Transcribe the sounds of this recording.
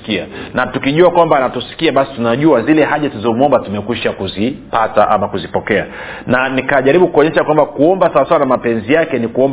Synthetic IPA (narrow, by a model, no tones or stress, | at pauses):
kia̰natukiʄuakwambanatusi̥kiaɓasi̥tunaʄuazilɛɦaʄatuzɔmuɔmbatumɛkwiʃakuzipata̰ʔa̰makuzipɔkɛa̰ | nanikaʄaɾiɓukuɔɲɛʃakwambakuɔmbasawasawanamapɛnzijakɛnikuɔmb